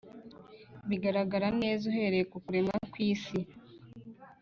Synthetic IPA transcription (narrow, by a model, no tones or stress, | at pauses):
βiɡaɾaɡaɾane̞ːzuɦe̞ɾe̞kukuɾe̞mɡakwiːsi